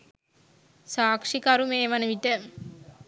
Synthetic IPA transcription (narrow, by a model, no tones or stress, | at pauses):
saːkʂikaɾumeːʋanəʋiʈə